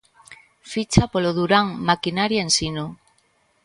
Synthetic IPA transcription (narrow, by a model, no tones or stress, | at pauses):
fit͡ʃapoloðuɾaŋmakinaɾjaensino